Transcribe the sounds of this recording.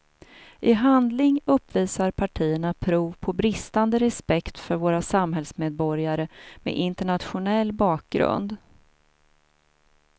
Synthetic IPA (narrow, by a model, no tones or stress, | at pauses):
ʔɪɦand̪lɪŋɵpːviːsaɾpʰaʈʰiːəɳapʰɾuːvpʰɔbɾɪst̪and̪əɾɛspɛkt̪fœɾvoːɾasamɦɛlsmeːd̪̚bɔɾjaɾəmḛʔɪnt̪əɳat̪ɧʊnɛlːbɑːk̚ɡɾɵ̰nd̪